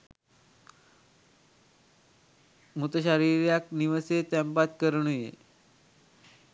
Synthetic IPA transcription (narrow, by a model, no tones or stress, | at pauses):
mut̪əɕaɾiɾjakniʋəset̪ɛ̃mpat̪kəɾɳ̃ujḛ